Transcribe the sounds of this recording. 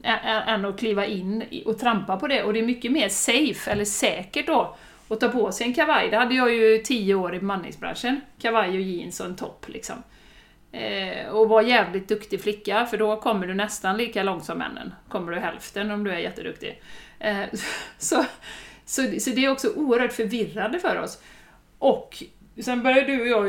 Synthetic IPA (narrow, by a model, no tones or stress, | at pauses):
ɛʔɛʔɛnːɔkʰliːvaʔɪnːʔɔt̪ʰɾampapʰɔd̪ɛʔɔd̪ɛæɾmʏkːəmeːɾsɛjfɛlːəʂɛːkəʈ̚d̪ɔ | ɔt̪ɑːpʰɔsɛjɛnkʰavajd̪ɛhad̪ːəjɑjɵt̪ʰiːəoːɾɪmanːɪ̰ŋsbɾa̰nʂənkʰavajɔjeːɪ̰nsɔɛnt̪ʰɔ̰pːlɪ̰ksɔ̰m | ɔvaɾjɛːvlɪt̪̚d̪ɵkt̪ɪflɪkːafœɖɔkʰɔmːəɖɵnɛst̪anliːkalɔŋt̪sɔmːɛ̰nːə̰nkʰɔmːəɖɵɦɛ̰lft̪ənɔmd̪ɵæɾjɛt̪ːəd̪ɵkt̪ɪ̰ | sɔsɔsɔd̪ɛæɾɔksɔʔuːəɾhœːʈfœɾvɪrːand̪əfœːɾɔ̰s | ʔɔkː | sɛnbœɾjaɖɵɔjɑː